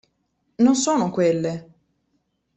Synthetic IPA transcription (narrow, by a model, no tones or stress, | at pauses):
nonsoːnokwelːe